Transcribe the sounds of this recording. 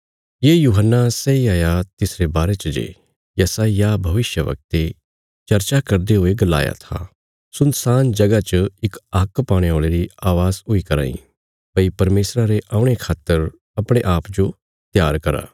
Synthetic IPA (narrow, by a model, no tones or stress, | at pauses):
jeːjuːɦənːasɛiaːjat̪ɪsɾebaːɾet͡ʃɐd͡ʒḛː | jɐsaːjabʱɐʋɪʃjəʋɐ̰k̚t̪e | t͡ʃɐɾt͡ʃakɐɾd̪eɦʊeɡɐla̰ːja̰t̪ʰa̰ | sʊnsaːnd͡ʒɐɡat͡ʃəɪkɐkpaːɽ̃eoːɭeɾiaːʋaːzɦʊikɐɾa̰ːḭ̃ | pɐipɐɾmeːsɾaɾeʔaːʊ̃ɽ̃ekʰaːt̪ːəɾ | ɐpɽ̃ẽʔaːpd͡ʒo | t̪jaːɾkɐɾa̰ː